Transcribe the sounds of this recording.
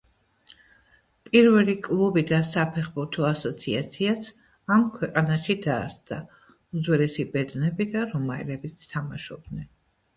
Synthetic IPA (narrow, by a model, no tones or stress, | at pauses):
pʼiɾvɛlikʼlˠubid̪asapʰɛχbuɾt̪ʰɔasɔt̪sʰiat̪sʰias | amkʰwɛqʼanaʃid̪aːɾsd̪a | uzwɛɾɛsibɛd̪znɛbid̪aɾɔmaɛ̰lɛbist̪ʰamaʃɔb̚d̪nɛn